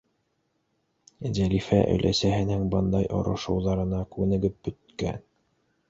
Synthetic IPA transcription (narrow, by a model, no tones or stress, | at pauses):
zælifæʔɵ̰jlʔæ̰sæɦɘ̆nɘŋbɤnd̪ɑjʔŏ̰ɾɤ̆ʃɤ̆wðɑɾɤ̆nɑkʉ̆nɘ̆ɡɘp̚bɵ̆t̪kæ̰n